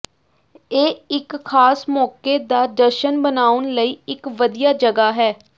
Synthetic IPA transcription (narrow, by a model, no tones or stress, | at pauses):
eːɪkxʰaːsmɔːkeːd̪aːd̪əɾʃənbənaːʊnləiːɪkʋəd̪ijaːd͡ʒəɡaːɦɛː